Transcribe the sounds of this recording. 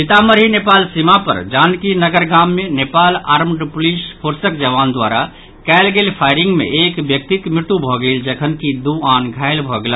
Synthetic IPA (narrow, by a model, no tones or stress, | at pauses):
it̪aməɾɦinepaːlsimapə̰ɾd͡ʒaːnkinəɡəɾɡamːenepaːlaɾmɖpʊlispʰuɾsəkd͡ʒəʋaːnd̪wa̰ɾa | kɛɪlɡelpʰaɪɾĩŋɡmḛʔekbjək̚t̪ik̪mɾɪt̪ubʱɔɡəild͡ʒekʰənkid̪uaːnɡʱaɪlbʱɔɡela